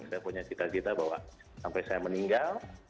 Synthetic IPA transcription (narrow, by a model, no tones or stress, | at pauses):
sajapuɲat͡ʃit̪at͡ʃit̪abawa̰ʔ | sampajsajaməniŋɡal